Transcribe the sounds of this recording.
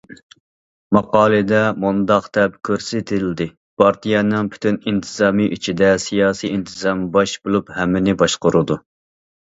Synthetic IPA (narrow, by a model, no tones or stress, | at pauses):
mɑqɑːlˠɨd̪ɛmund̪ɑqt̪ɛp̚kʲʰøɾsɪt̪ʰɪld̪ɪ | pʰɑɾt̪ʰijɛnɨŋpʰy̥t̪ʰynint̪ʰɨzɑːmɨʔyt͡ʃʰid̪ɛsijɑːsiint̪ʰɨzɑmbɑʃbolˠuphɛmːɪnɪbɑʃqʊɾud̪u